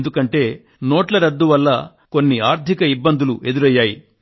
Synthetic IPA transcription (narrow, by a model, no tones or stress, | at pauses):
nd̪ukɐɳʈe̞ː | no̞ːʈlɐɾɐd̪ːuʋɐlːɐ | ko̞nːiaːɾt̪ʰikɐibːɐnd̪ʱuluʔe̞d̪uɾɐjːaːji